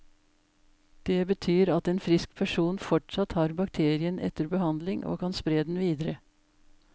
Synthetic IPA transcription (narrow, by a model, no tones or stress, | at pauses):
d̪̥ebət̪ʰyːɾɑt̪eːnfɾɪsk̚pʰæʂuːnfɔʈʂɑt̪hɑːɾbɑk̚t̪ʰeːɾɪənʔɛ̰t̪əɾbəhɑnd̪lɪŋʔo̰ːkʰɑnspɾeːd̪n̩ʋiːd̪əɾə